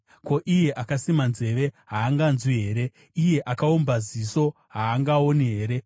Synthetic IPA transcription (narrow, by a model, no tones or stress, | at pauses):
ko̞ʔije̞ʔakasimanze̞ʋe̞ɦaːŋɡanzuɦe̞ːɾe̞ | ije̞ʔakaombaziso̞ | ɦaːŋɡaoniɦe̞ːɾe̞